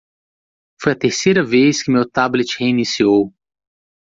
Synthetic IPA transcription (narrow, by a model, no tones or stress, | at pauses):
fojɐt̪eɾsejɾɐvejskɪmewt̪ablet͡ʃheinisiow